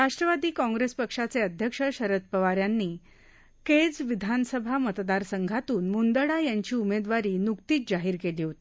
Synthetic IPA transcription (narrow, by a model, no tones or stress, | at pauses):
ɾaʂʈɾəʋad̪iːkɔ̃ŋɡɾespəkʂat͡seəd̪ʱjəkʂəɕəɾət̪̚pəʋaɾjanːiː | ked͡zʋid̪ʱanəsəbʱamət̪d̪aɾsəŋɡʱat̪uːnmund̪əɽajaɲt͡ɕiːumed̪ʋaɾiːnukt̪iːt̪̚d͡ʑaɦiːɾkeliːɦot̪iː